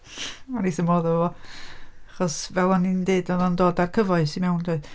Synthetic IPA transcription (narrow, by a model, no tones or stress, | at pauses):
manisəmɔːðɔəvɔ | aχɔsvɛlˠɔnindeːdɔðɔndoːdarkʰəvɔɨsimɛwndʰoɨð